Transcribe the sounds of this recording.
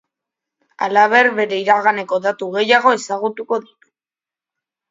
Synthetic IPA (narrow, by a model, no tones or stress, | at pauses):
a̰laβ̞e̞ɾβe̞ɾe̞iɾaɣane̞ko̞ðat̪uɣe̞jaɣ̞o̞e̞saɣ̞ut̪uko̞ðit̪u̥